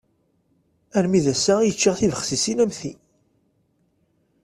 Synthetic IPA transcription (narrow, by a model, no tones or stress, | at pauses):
æɾmiðæsæjət͡ʃːiʁθivəχsisinæmθi